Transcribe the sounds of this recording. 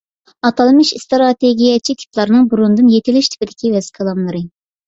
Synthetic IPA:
ɑt̪ʰɑlˠmɨʃst̪ɾɑt̪ʰeɡʲijɛt͡ʃʰikʲʰi̥plˠɑɾnɨŋbuɾund̪ɨnjet̪ʰɪlɪʃt̪ʰɪ̥pɪd̪ɪkʲivɛz̥kʲʰəlˠɑmlˠɨɾɨ

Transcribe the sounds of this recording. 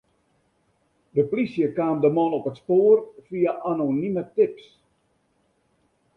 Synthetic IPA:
dəplisjəkaːmdəmɔnɔpətspoːrfiaʔanonimətɪps

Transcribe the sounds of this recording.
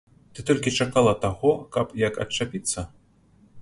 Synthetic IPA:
t̪ɨt̪ɔlʲkʲit͡ʂakalˠɐt̪aɣɔkɐpjɐkɐ̰t͡ʂːapʲit̪sːɐ

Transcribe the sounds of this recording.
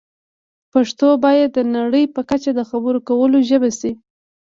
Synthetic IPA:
paʂt̪obɑjad̪ːənaɽəjpəkat͡ʃad̪əxabəɾokawəloʒəbasi

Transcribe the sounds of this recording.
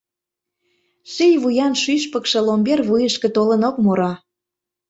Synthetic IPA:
ʃijβujɑnʃyʃpə̆kʃɤ̆lombʲervujəʃkĕt̪olənokmoɾɑ

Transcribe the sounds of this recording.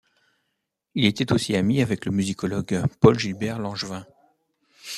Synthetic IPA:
ilet̪ɛt̪osiamiavɛkləmyzikɔlɔɡpɔlʒilbɛʁlɑ̃ʒvɛ̃

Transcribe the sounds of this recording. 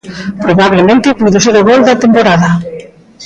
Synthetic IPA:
pɾoβaβlemẽnt̪ɪpuðoseɾʊɣold̪ɐt̪empoɾaðɐ

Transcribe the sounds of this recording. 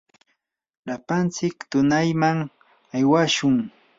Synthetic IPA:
lapant͡sɪkt̪ʊnajmaŋ | ajwaʃʊŋ

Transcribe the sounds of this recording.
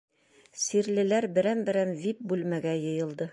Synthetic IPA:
siɾlɘ̆læɾbɘ̆ɾæmbɘ̆ɾæmvip̚bʉlmæɡæjɤ̆jɤ̆lˠd̪ɤ

